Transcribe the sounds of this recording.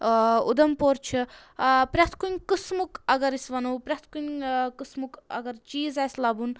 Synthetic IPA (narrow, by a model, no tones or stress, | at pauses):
ṵd̪ɐmpoɾt͡ʃʰi | pɾʲɐt̪ʰkunʲkɨsmukɐɡɐɾisʋɐnoːpɾʲɐt̪ʰkunʲkɨsmukɐ̰ɡɐɾt͡ʃiːzasʲlɐbun